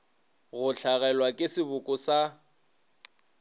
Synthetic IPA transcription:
ɣʊɬʰaɣɛlwakʼɪsɪbʊkʼʊsa

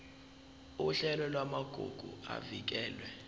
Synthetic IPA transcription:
uɬɛlɔlwamaɡ̥ʱo̰ɡ̥ʱua̰vik̬ɛːlwɛ

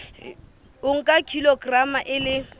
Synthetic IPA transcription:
ʊŋ̩kʼakʰilɔɡramaʔɪlɪ

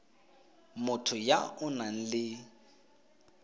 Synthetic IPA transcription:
mʊtʰʊja̰ʊnan̩lɪ

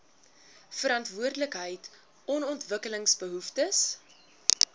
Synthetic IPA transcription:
fəɾɑntvuərdələkɦəjt | ɔnɔntvəkələŋsbəɦuftəs

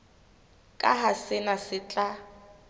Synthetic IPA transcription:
kʼaɦasɪnasɪt͡ɬʼa

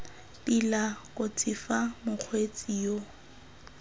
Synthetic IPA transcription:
pilakʼʊt͡sʼɪfamʊk͡xʰwet͡sʼijo

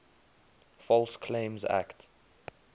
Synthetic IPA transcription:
fɔlskʰlẽmza̰kt

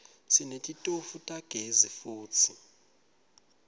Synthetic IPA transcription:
sinetʼitʼofutʼaɡ̥ʱezifuːt͡sʰi

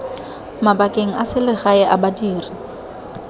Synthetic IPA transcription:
mabakʼeŋ̩asɪlɪɣaɪʔabadiːri

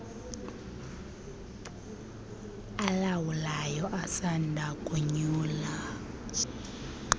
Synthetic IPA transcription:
alawulajɔʔasandʱakʼuɲuːla

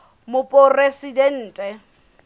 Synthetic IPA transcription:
mʊpʼɔresidɛn̩ːtʼɛ

